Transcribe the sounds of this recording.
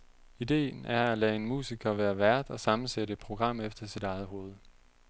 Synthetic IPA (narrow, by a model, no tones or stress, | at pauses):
id̥e̝̰ːn̩æɐælɛ̰ːe̝nmṵːsiɡ̥ʰɐʋæːɐʋæɐ̰d̥ɒ̽sɑ̈mn̩seɾə̥pʰʁo̝ɡ̥ʁɑ̈m̰efd̥ɐsid̥ɑ̈ɪð̞̩ˠɦo̝ːð̞̩ˠ